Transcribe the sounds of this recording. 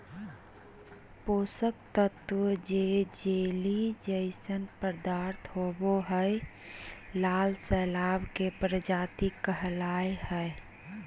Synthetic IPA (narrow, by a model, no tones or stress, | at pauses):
poːsəkt̪ət̪wəd͡ʒed͡ʒelid͡ʒəɪsənpəɾd̪aɾt̪ʰɦoboɦəe | lalsɛːlaːbkepɾəd͡ʒaːt̪ikːəɦlaehə